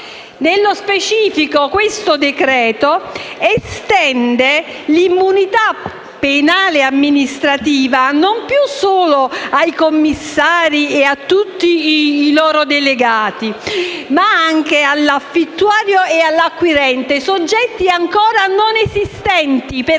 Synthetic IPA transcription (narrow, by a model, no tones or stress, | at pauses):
nelːospet͡ʃiːfikokwest̪od̪ekɾɛːt̪oest̪ɛnd̪e | limːunit̪a | pːenaːleamːinist̪ɾat̪iːvanompjusoːloajkomːisːaːɾieat̪ːut̪ːiːlɔːɾod̪eleɡaːt̪imaaŋk̟ealːafit̪ːwaːɾjoealːakːwiɾɛnt̪esod͡ʒːɛt̪ːiaŋkoːɾanonezist̪ɛnt̪ip